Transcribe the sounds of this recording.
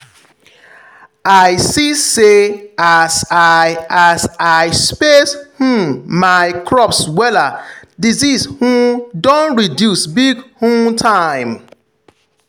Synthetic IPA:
aɪsiseasaazaɪspeshũmmaɪkʰɹɔpswɛladizishũmdõnɹidjusbiɡhũmtʰaɪ̃m

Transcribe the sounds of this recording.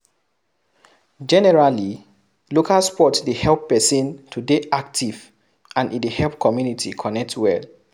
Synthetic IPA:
d͡ʒɛnɛɹali | lokʰalspɔtdehɛlpːɛsĩntʰudeʔak̚tʰiv | ãnidehɛlpkʰɔmjunitikʰɔnɛk̚twɛl

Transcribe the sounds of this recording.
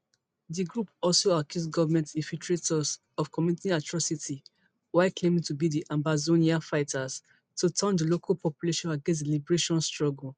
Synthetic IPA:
diɡɹupɔlsoakʰjusɡɔvamɛ̃ntĩnfiltɹetɔs | ɔfkɔmjunitĩatɹɔsitʰi | waɪklẽmĩŋtubidiʔãmbazõniafaɪtʰas | tutʰãndəlokʰalpɔpjuleʃɔ̃naɡɛ̃ns̬dlibəɹeʃɔ̃nstɹɔɡl

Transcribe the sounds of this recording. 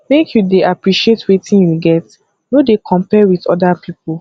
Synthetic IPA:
mekjudeʔapɹiʃietwetĩnjuɡɛt | nodekʰɔ̃mpɛwiθɔ̰dapʰipul

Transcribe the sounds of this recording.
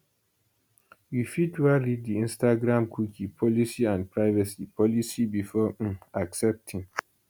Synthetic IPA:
wifidwaɹiddiĩnstaɡɹãmkʰwikʰipʰɔlisiãnpʰɹaɪvɛsipʰɔlisibifɔʔ̩aksɛp̚tʰĩŋ

